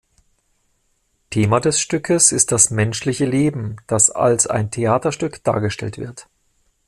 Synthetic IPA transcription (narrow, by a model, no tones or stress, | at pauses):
tʰeːmadɛsʃtʏkʰəsɪst̚d̥asmɛnʃlɪçəleːbm̩d̥asa̰lsa̰ɪntʰeaːtɐʃtʏkd̥a̰ːɐɡəʃtɛ̰ltv̥ɪɐt